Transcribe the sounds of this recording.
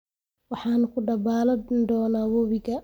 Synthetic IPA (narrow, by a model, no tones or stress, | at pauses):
wɑħɑːnʊkʰʊɖɐbaːlɐd̪ɔːnaːwɔβɪɡɐ